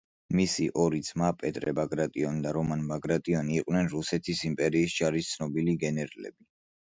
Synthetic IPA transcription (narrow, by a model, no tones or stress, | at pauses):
misiʔɔɾisʰmapʼɛt̪ʼɾɛbaɡɾat̪ʼiɔnd̪aɾɔmanbaɡɾat̪ʼiɔniːqʼwnɛnɾusɛt̪ʰisimpʼɛɾiːsd͡ʒaɾist̪sʰnɔbiliɡɛnɛɾalɛ̰bi